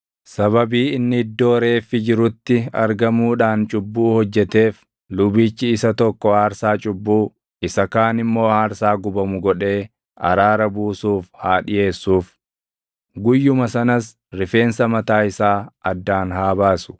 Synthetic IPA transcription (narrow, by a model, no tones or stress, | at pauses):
sɐβɐbiːɪnːɪɪd̪ːo̞ːɾe̞ːfːɪd͡ʒɪɾʊt̪ːɪɐ̰ɾɡɐmuːᶑaːnt͡ʃʼʊbːuːhɔd͡ʒːɛt̪eːf | lʊbiːt͡ʃːɪːsɐt̪ɔkːɔhaːɾsaːt͡ʃʼʊbːuː | ɪsɐkaːnɪmːo̞ːhaːɾsaːɡʊbɐmʊɡɔᶑe̞ː | ɐ̰ɾaːɾɐbuːsuːfhaːᶑɪje̞ːsːuːf | ɡʊjːʊmɐsɐnɐs | ɾɪfe̞ːnsɐmɐt̪aːɪsaːɐd̪ːaːnɦaːbaːsʊ̥